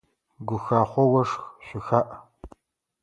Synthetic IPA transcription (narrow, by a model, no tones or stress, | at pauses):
ɡʷʊxaːχʷɔwɐʂxʃʷɪxaːʔ